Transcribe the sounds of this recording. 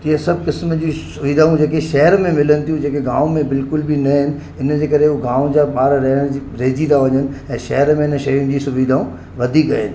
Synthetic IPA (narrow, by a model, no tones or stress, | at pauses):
t̪iasɐb̚ʱkɪsməd͡ʑiːsʊʋiːd̪ʱaːũd͡ʑeːkeʃɐɦəɾmẽmɪlənɪ̆t̪ʰijũd͡ʑeːkeɡaːʊmẽbɪlkʊlbinɐɦɪnɪ̆ | ɪnd͡ʑeːkɐɾeuɡãːʊ̃d͡ʑaːɓaːɾɾɐɦəɽ̃d͡ʑiɾeːd͡ʑid̪aʋɐɲənɪ̆ɛ̃ːʃɐɦəɾmẽɪnəʃɐjũɪ̆d͡ʑiːsʊʋiːd̪ʱaːũ | ʋɐd̪ʱiɡɐɪnɪ̆